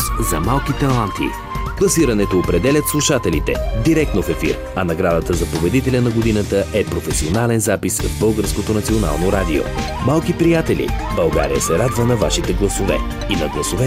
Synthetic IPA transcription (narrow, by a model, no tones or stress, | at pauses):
zɐmalˠkit̪ɛlˠant̪ḭ | klˠɐsiɾɐnɛt̪oːpɾɛd̪ɛlʲɐt̪slˠuʃat̪ɛlit̪ɛ̰d̪iɾɛk̚t̪nofɛfḭɾ | ɐnɐɡɾad̪ət̪əzɐpobɛd̪it̪ɛlʲənɐɡod̪inət̪əʔɛpɾofɛsionalɛnzapisvbɤlˠɡəɾskot̪onɐt̪siona̰lˠnoɾad̪io̰ | malˠkipɾijat̪ɛlʲḭbɐlˠɡa̰ɾḭjə̰sɛɾad̪vənɐvaʃit̪ɛɡlˠɐsovɛ̰ | inɐɡlˠɐsovɛ